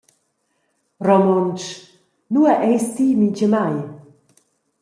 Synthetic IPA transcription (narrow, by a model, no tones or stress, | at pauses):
rɔmɔnt͡ʃ | nuaʔɛjst̪iːmit͡ʃəmaj